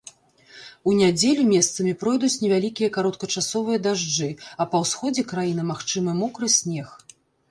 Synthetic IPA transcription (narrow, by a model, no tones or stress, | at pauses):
unʲad͡zʲelʲumʲɛst̪sɐmʲipɾɔjd̪ut͡sʲnʲɛvʲalʲikʲijɐkaɾɔt̪̚kɐt͡ʂasɔvɨjɐd̪aʐd͡ʐɨɐpɐwsxɔd͡zʲɛkɾajinɨmaxt͡ʂɨmɨmɔkɾɨsʲnʲɛx